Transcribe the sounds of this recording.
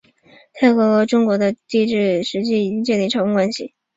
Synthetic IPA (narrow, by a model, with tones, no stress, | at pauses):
t̪ʰa˥˩ɪxɤ˧˥xʈ͡ʂʊ˥ŋkwɔ˧˥d̪ə˧t̪i˥˧ʈ͡ʂɻ̩˥˩ʂɻ̩˧˥t͡ɕi˥˩i˨˩i˥ŋt͡ɕjɛ˥˩nli˧˩ʈ͡ʂʰɑ˧˥ku˥ŋkwa˥nɕi˨